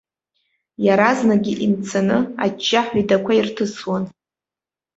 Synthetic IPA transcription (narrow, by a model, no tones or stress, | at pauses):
jaɾaznaɡʲiʔimt͡sʰanɨa̰d͡ʒːaħʷidakʷʰairtʰɨswan